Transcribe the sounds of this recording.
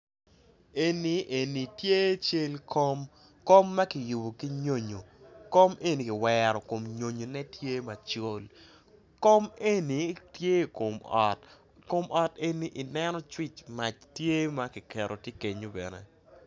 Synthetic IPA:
e˦ni˨ʔe˨ni˨tje˦t͡ʃe˦lkʰo˦m | ko˦mːa˦ki˨ju˨bo˨ki˦ɲo˦ɲo˨ko˦me˦ni˨ki˨wɛɾɔ˨ko˨mɲo˨ɲo˨nɛ˦tje˦ma˨t͡ʃo˦l | ko˦me˦ni˨tje˦ko˨mɔ˨t | ko˦mʔɔ˨te˦ni˦ʔi˨nɛ˦nɔ˦t͡ʃwi˦t͡ʃma˨t͡ʃtje˦ma˦ki˨kɛ˨ɾo˨ti˦ke˨ɲo˦bɛ̰˨nɛ̰˨

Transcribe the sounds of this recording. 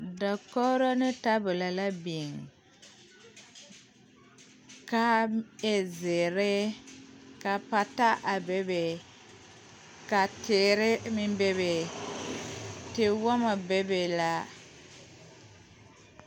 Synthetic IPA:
dɔ˨kɔ˦ɾo˦nɪ˦ta˦bʊ˨la˨la˦bi˨ŋ | ka˦e˨zɪ˨ɾɪ˦ | ka˨pa˨ta˦ʔa˨be˦be˨ | ka˨tɪː˨ɾɪ˦mɪ˦mbe˦be˨ | tɪ˨wɔ˦ma˨be˦be˨la˦

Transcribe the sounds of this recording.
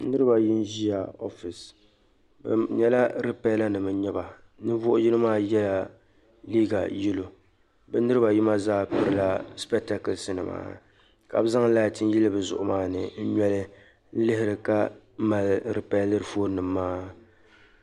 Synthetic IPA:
nɨ˦ɾɨ˦ba˨jɪ˦n˦ʒi˦a˨o˦fi˨s | b̰ɲɛ˦la˦ɾɨ˦pɛ˦la˦nɨ˨mɨ˨˦ɲɛ˦ba˨ | nɨ˦vʊ˦ʔʊ˦ji˦lɨ˦maː˦jɛ˦la˨ | liː˦ɡa̰˨ji˦lo˨ | bɛ˦nɨ˦ɾɨ˦ba˨ji˦ma˦zaː˦pɨ˦ɾɨ˦la˦spɛ˦k̚ta˦kɨ˨lsɨ˨nɨ˨ma̰ː˦ | ka̰˨bɨ˦za˦ŋ˦la˦jtɨ˦n˦ji˦lɨ˦bɨ˨zʊ̰˨ʔʊ˨maː˦nɨ̰˨n̩˦ɲɛ˦lɨ˦ | n̩˦lɪ˦ɦɪ˦˨ɾɨ˨ka˦ | m̩˦ma˨lɾɨ˨pa˦lɨ˦ɾfoː˦ɾnɨ˨mːaː˦

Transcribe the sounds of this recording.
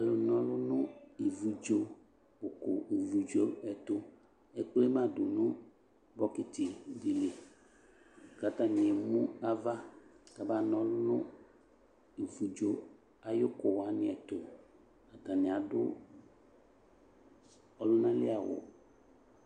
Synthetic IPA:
a˨lʊ˨nɔ̃˦lʊ˦nʊ̃˦i˨vu˨d͡ʒo˦ | bʊ˨kʊ˨i˨vu˨d͡ʒo˦ɛ˨t̪ʊ˦ | ɛ˨k͡ple˦mã˦dʊ˨nʊ̃˦ | bɔ˦kɪ˨t̪ɪ˨di˨lɪ˨ | ka˨t̪a˦nɪ̃˨e˨mũ˦a˨va˦ta˨ba˨nɔ̃˨lʊ˦nʊ̃˦ | i˨vu˨d͡ʒo˦ | a˨jʊ˦kʊ˨wa˨nɪ̃˨ɛ˨t̪ʊ˨ | a˨ta˨nɪ̃˨a˨dʊ˦ | ɔ˦lʊ˦nã˦lɪ̰˦a˨wʊ̰˨

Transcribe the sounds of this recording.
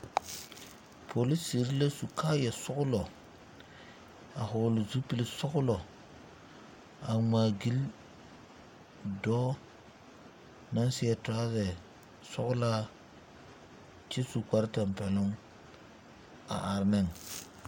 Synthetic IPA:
pʰo˨li˦si˨ɾi˦le˦su˨kʰaː˦jɛ˨sʊ˦ɣʊ˦lɔ˨ | a˨ɦʊ˨lʊ˨zu˦pi˦˨li˦sʊ˦ɣʊ˦lɔ˨ | a˨maː˨ɡi˦l | dɔː˦ | na˦nsɪ˦ɛ˦ta˦zɛ˨ | sʊ˦ɣʊ˦la˦ | t͡ʃɪ˦su˨ka˦ɾta˨m˨pɛ˨lʊ˦ŋ | a̰˨ʔa˨ɾnɛ˦˨ŋ

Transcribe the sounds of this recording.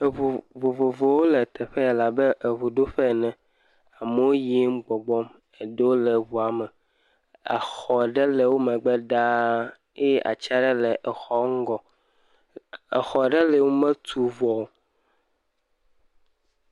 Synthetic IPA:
e˨vo˨vo˨vo˨vo˨wo˦lɛ˨t̪ʰɛ˨ɸɛ˦ɛ˨la˨be˦ʔe˨vo˨ɖo˦ɸɛ˦˨nɛ̃˨ | a˨me˦wo˦je˦m̩˦ɡ͡bɔ˨ɡ͡bɔ˦m | e˨ɖe˦wo˦le˨vu˨a˨mɛ˨ | a̰˨xɔ˨ɖɛ˦le˨wo˦mɛ̃˨ɡ͡bɛ˦ɖa˦ | e˦ʔa̰˨t͡ʃa˦ɖɛ˦lɛ˨ʔɛ˨xɔ˦ŋ̩˦ɡɔ˨ | ḛ˨xɔ˨ɖɛ˦le˨wo˦mẽ˦t̪ʰu˨vɔ˨o˦

